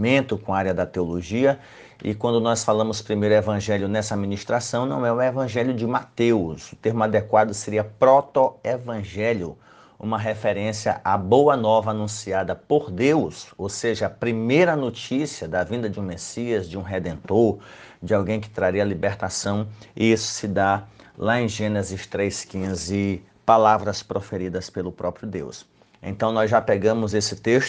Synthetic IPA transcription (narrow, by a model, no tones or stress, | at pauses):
mẽnt̪ʊkõaɾjɐd̪ɐt̪eoloʒiɐ | ɪ̰kwɐ̃nd̪ʊnɔsfalɐ̃mʊspɾimejɾʊevɐ̃ʒɛljʊnɛsɐamĩnist̪ɾasɐ̃w̃nɐ̃w̃ɛʊ̃evɐ̃ʒɛljʊd͡ʒɪmat̪ewsʊt̪eɾmʊad̪ɛkwad̪ʊseɾiɐpɾɔt̪oevɐ̃ʒɛljʊ | ṵ̃mɐɦefɛɾẽsiɐ̰ʔabowɐnɔvɐanũsiad̪ɐpoɾd̪ewsowseʒɐɐpɾimejɾɐnot͡ʃisiɐd̪ɐvĩnd̪ɐd͡ʒɪũmesiɐzd͡ʒɪũɦed̪ẽnt̪oɾd͡ʒɪawɡẽj̃kɪ̥t̪ɾaɾiɐlibeɾt̪asɐ̃w̃ḭisʊ̥sɪd̪alaẽj̃ʒẽnezɪst̪ɾejskĩzɪ | palavɾɐspɾofeɾid̪ɐspelʊpɾɔpɾijʊd̪ḛws | ḛ̃nt̪ɐ̃w̃nɔzʒapeɡɐ̃mʊzesɪt̪eʃt̪ʊ